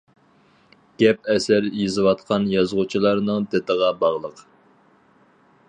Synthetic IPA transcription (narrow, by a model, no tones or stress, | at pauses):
ɡ̥ʲɛp̚ɛsæɾjezɨwɑt̪̚qʰɑnjɑzʁut͡ʃʰilˠɑɾnɨŋd̪et̪əʁɑbɑʁlˠəq